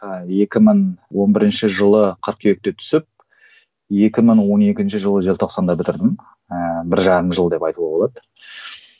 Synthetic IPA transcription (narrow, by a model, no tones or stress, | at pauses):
je̞kʲɪməɴwo̞nbɪɾɪnʃɪʒəlˠəqʰəɾq̚kʲʰeek̚t̪e̞t̪ʰʏ̥sɪp̚ | je̞kʲɪməɴwo̞ne̞kʲɪnʃɪʒəlˠəʒe̞lt̪ʰo̞qsɑnd̪ɑbɪt̪ɪɾd̪ɪm | bɪɾʒɑɾəmʒəlˠəd̪e̞pɑjt̪uʁɑbolˠɑd̪ə